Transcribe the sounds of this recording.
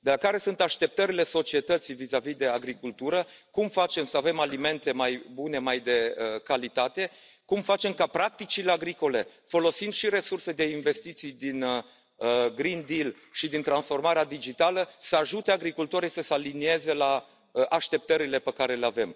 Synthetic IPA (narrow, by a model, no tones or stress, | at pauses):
d̪e̞lakaɾe̞sunt̪aʃt̪e̞p̚t̪əɾile̞so̞t͡ʃie̞t̪ət̪sijvizavid̪e̞aɡɾikult̪uɾəkumfat͡ʃe̞msəave̞malime̞nt̪e̞majbune̞majd̪e̞əkalit̪at̪e̞ | kumfat͡ʃe̞mkapɾak̚t̪it͡ʃile̞aɡɾiko̞le̞fo̞lo̞sind̪ʃiɾe̞surse̞d̪e̞inve̞st̪it̪sijd̪in | əɡɾind̪il | ʃid̪int̪ɾansfo̞rmaɾead̪id͡ʒit̪aləsəaʒut̪e̞aɡɾikult̪o̞ɾisəsəalinie̞ze̞la | əʔaʃt̪e̞p̚t̪əɾile̞pekaɾe̞le̞ave̞m